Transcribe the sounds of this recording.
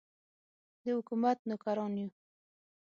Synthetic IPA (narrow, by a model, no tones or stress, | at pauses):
d̪əhʊkumat̪̚nʊkaɾɑnju